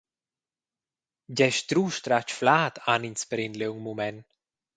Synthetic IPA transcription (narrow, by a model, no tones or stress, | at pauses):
ɟɛʃt̪ɾuːʃt̪ɾat͡ʃflaːt̪ʰaninspəɾɪnd̪leuŋmumɛn